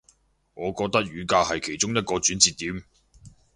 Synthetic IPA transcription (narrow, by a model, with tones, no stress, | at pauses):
ŋɔː˨˧kɔː˧k̚t̪ɐ˥k̚ɥyː˨˧kaː˧hɐ˨jkʰe˨˩jt͡ʃʊ˥ŋjɐ˥t̚kɔː˧t͡syː˨˥nt͡siː˨t̪ːiː˨˥m